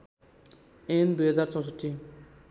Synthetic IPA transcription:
end̪ujɦʌd͡zart͡sʌ̃w̃s̬ʌʈʰːi

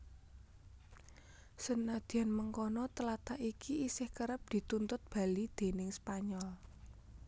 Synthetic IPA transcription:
sənːad̪̥i̤anməŋkɔnɔt̪əlat̪aʔikiisɪhkəɾəp̚d̪̥i̤t̪unt̪ʊt̪̚b̥a̤lid̪̥e̤nɪŋspaɲɔl

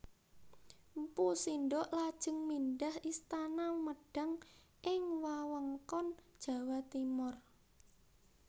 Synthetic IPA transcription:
mpusinɖɔʔlad̥ʒ̥ə̤ŋminɖahʔist̪anaməɖ̥a̤ŋ | ʔɪŋwawəŋkɔnd̥ʒ̥ä̤wat̪imɔr

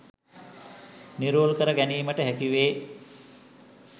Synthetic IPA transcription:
niɾoːlkəɾəɡæniːməʈəɦækiʋeː

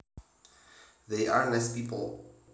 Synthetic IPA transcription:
ðeɪʔaɹlɛspipə̰l̩ˠ

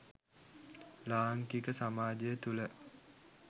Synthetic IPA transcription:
laːŋkikəsamaːd͡ʒejət̪ulə

